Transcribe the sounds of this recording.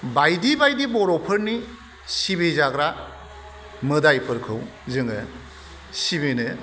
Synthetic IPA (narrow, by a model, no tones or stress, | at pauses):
bajdibajdibɔɾɔpʰɯɾni | sibezaɡɾa | mɯdajpʰɯɾkʰɯw | zɯŋɯ | sibenɯ